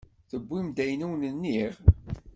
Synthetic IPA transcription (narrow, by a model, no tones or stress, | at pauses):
θəbʷːimd̪æjnuwnənːiʁ